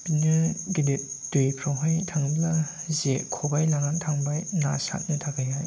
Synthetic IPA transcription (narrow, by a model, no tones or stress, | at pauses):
pinɯɡidip̚dɯjpʰɾɔwɦajtʰaŋblazekʰɔbajlaŋantʰaŋbajna̰sa̰t̚nɯtʰaɡʰajaj